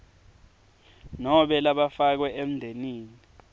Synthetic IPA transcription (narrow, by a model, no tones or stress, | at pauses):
nɔɓɛlaɓafak̬wɛʔem̩ndʱeniːni